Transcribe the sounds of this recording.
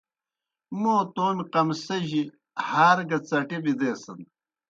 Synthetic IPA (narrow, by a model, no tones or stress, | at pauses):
moːt̪oːnqɐmsɐʑi | haːɾɡɐt͡sɐʈibid̪eːsɐn